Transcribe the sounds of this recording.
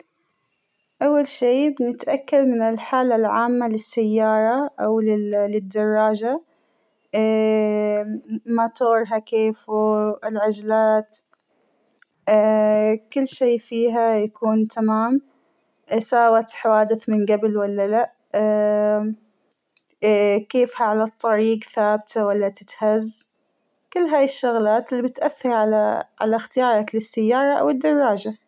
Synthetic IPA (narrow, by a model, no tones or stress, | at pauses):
ʔawːalʃiːbɪnɪt̪ʔakːalmɪnɪlħaːlalʕaːmːalɪsːajːɑːɾˤɑʔawlɪlɪd̪ːɑrˤːɑːd͡ʒa | mat̪oːɾˤɦakeːfuɪlʕad͡ʒlaːt̪ | kɪlːʃeːfiːɦajakʰuːnt̪ʰamaːm | saːwat̪ħawaːd̪ɪθmɪnɡabɪlwalːalaʔ | keːfhaʕalat̪ˤːɑɾiːɡθaːbt̪ʰawalːat̪ɪt̪haz | kɪlːɦaːjɪʃːʊɣlaːt̪ɪlːibɪt̪ʔaθːɑɾˤʕalaʕa̰laxt̪ɪjɑːɾˤɑklɪsːajːɑːɾˤɑʔa̰wɪd̪ːɑrˤːɑːd͡ʒa